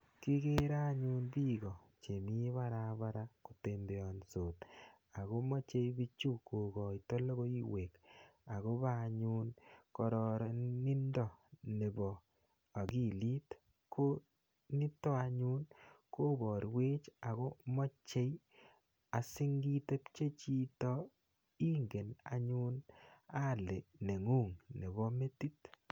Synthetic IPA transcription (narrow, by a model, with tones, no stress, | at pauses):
ki˦ɡe˦ɾa˦ɲu˦nbi˦ɡɔ˨ | t͡ʃe˨mi˦βa˦ɾa˨βa˦ɾa˦ku˨te˨mbe˨ɔ˨nso˨t | a˨ɣo˦mɔ˦t͡ʃe˦jbi˦t͡ʃu˦kːo˨ɡɔ˨itɔ˦lo˦ɡo˦i˦we˨ka˨ɣo˦ba˦˨ɲu˦nkɔ˨ɾɔ˨ɾɔ˨ni˦ndɔ˨ne˨bɔ˨ | a˨ki˦li˦t | kʰo˦ | ni˦tɔ˦a˧ɲu˦nko˦bɔ˨ɾwe˦t͡ʃa˨ɣo˦mɔ˦t͡ʃe˦j | a˨si˦ŋɡi˦te˦pt͡ʃe˦t͡ʃi˦tɔ˦ | i˦ŋɡe˨na̰˨ɲu˦na˦˨le˨ne˨ŋu˦˨ŋne˨bɔ˦me˦ti˦t